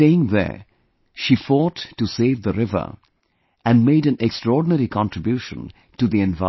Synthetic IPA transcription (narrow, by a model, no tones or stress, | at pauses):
eɪɪ̃ŋðə̰˞ | ʃifɔtːuseɪvðəɾɪvə̰˞ | æ̃nmeɪɾɨ̃nʔɛkstɹɔɹɖⁿn̩ɛɾikʰɑ̃ntʰɹ̥ɨbjuʃə̰̃n | tuðiɛ̃nva